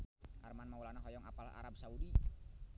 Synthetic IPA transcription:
ʔarmanmawulanaɦɔjɔŋa̰pala̰ɾab̚saudi

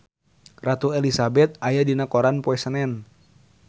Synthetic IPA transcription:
rat̪uelisabɛt̪̚ajadinakoɾanpoɛsənɛn

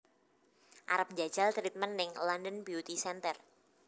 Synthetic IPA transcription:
ʔa̰ɾəp̚ɲd͡ʒad̥ʒ̥alt̪ɾit̪̚mənːɪŋlandənbiut̪isɛnt̪ər

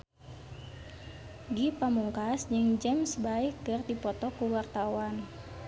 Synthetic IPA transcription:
ɡipamuŋkasd͡ʒɨŋd͡ʒɛmsbaikɨrd̪ipɔt̪ɔkuwart̪awan

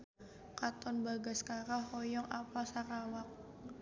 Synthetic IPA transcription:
kat̪ɔnbaɡaskaɾaɦɔjɔŋapalsaɾawak̚

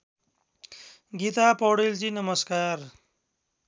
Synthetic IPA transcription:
ɡit̪apʌwɽelt͡sinʌmʌskar

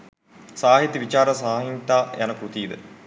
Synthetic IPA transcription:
saːɦit̪ːiʋit͡ʃaːɾɐsaːɦint̪aːjɐnɐkɾut̪iːd̪ə̰

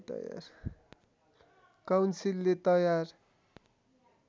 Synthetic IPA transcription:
t̪ʌ̰ja̰r | kawnsilːet̪ʌjar

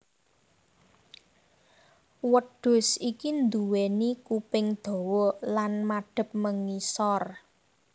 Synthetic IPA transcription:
wəɖ̥ʊ̤sikind̪uwenikupɪŋd̪̥o̤wɔlanmaɖ̥ə̤p̚məŋisɔr

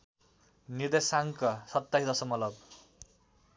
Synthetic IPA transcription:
nird̪esaŋkʌsʌt̪ːaɦid̪ʌsʌmʌlʌb

